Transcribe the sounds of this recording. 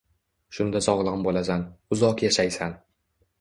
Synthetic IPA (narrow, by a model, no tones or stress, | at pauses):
ʃʊnd̪asɒʁlˠɨmbolasanʊzɒqjaʃajsan